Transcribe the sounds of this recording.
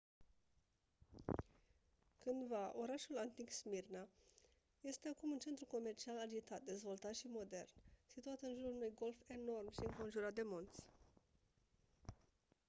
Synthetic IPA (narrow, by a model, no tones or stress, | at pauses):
kɨnd̪vaʔo̞ɾaʃulant̪iksmirna | je̞st̪e̞akumunt͡ʃe̞nt̪ɾuko̞me̞rt͡ʃialad͡ʒit̪at̪̚d̪e̞zvo̞lt̪at̪ʃimo̞d̪e̞̰rnsit̪uat̪ɨnʒuɾaunujɡo̞lfe̞no̞rmʃiɨŋko̞nʒuɾat̪̚d̪emult̪sʲ